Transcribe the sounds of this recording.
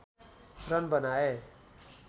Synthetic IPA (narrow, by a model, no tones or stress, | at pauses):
prʌnbʌnae